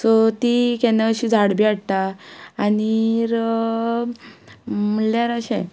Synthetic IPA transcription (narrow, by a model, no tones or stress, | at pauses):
sot̪ikɛnaəɕid͡zʱaɽbiaɽt̪aː | niɾ | m̤əɳljaɾaɕɛ̰